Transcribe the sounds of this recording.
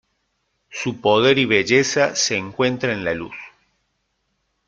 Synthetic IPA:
supo̞ð̞e̞ɾiβeʒesaseːŋkwe̞nt̪ɾaẽnlalṵs

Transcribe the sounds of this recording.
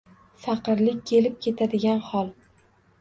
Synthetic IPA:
fɑqɨɾlɪk̚ʲkʲʰe̞lɪp̚kʲʰe̞t̪ʰad̪ɪɡʲanhɒlˠ

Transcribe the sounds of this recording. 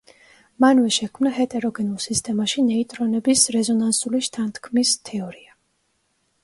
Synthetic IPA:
manvɛʃɛkʰmnaɦɛt̪ʼɛɾɔɡɛnulˠsist̪ʼɛmaʃinɛit̪ʼɾɔnɛbisɾɛzɔnansuliʃt̪ʰant̪ʰkʰmist̪ʰɛɔɾia

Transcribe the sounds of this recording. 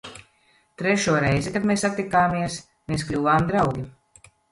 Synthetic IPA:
t̪ɾɛʃuːɔɾɛjzɛkad̪meːsat̪ːʲikaːmiɛs | meːsklʲuːvaːmd̪ɾawɡʲi

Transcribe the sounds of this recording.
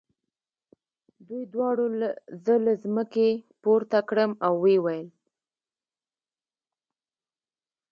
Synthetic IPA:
d̪ujd̪wɑɽozəlazməkepoɾt̪akɽəmawːewajəl

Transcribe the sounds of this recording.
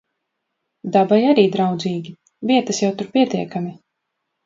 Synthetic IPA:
d̪abajaɾiːd̪ɾawd̪ziːɡʲi | vʲiɛt̪ɐsjawt̪uɾpʲiɛt̪iɛkami

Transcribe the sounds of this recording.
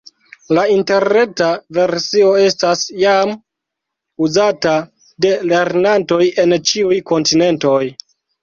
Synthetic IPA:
lainte̞ɾne̞tave̞ɾsio̞e̞stasjam | uzata | de̞le̞ɾnanto̞je̞nt͡ʃiujko̞ntine̞nto̞j

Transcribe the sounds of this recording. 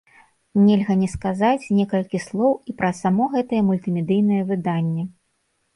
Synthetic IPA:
nʲɛlʲɣɐnʲɛskazat͡sʲnʲɛkɐlʲkʲislˠɔwipɾɐsamɔɣɛt̪ɐjɛmulʲt̪ɨmʲɛd̪ɨjn̪ɐjɐvɨd̪anʲːɛ

